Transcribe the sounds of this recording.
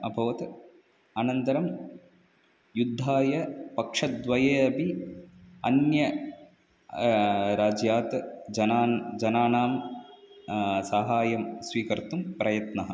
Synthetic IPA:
ɐbʱɐʋɐt̪ | anɐnt̪ɐɾɐm | jud̪ʱːaːjɐpɐkʂɐtd̪ʋɐjeːɐbʱi | ɐnjɐ | ɾaːd͡ʒjaːt̪d͡ʒɐnaːd͡ʒɐnaːnaːm | sɐɦaːjɐmsʋiːkɐɾt̪umpɾɐjɐt̪nɐɦɐ̆

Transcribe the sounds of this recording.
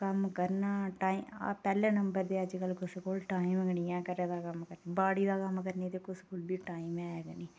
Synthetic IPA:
kɐmkɐɾnaːʈaːim̰pɛːlenɐmbəɾd̪eːɐd͡ʒkəlkʊskoːlʈaːɪmɡənijãːkəɾed̪aːkɐmkəɾnebaːɽid̪aːkɐmkəɾnet̪ekʊskʊːlbʱiːʈaːɪmɛːɡəniː

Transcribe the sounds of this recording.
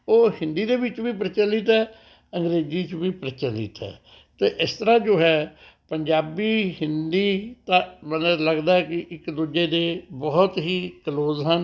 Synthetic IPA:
oːhɪ̃nd̪iːd̪eːʋɪt͡ʃʋiːp̬ɾət͡ʃəlɪt̪ɛː | ə̃ŋɡɾeːziːt͡ʃʋiːpɾət͡ʃəlɪ̰t̪ɛ̰ː | t̪eːʔɪst̪əɾãːd͡ʒoːɦɛː | pəɲd͡ʒaːbiːhɪnd̪iːt̪ãːmənləɡd̪aːɛkɪʔɪkd̪uːd͡ʒeːd̪eːbɔːt̪ɦiːkəloːzɦən

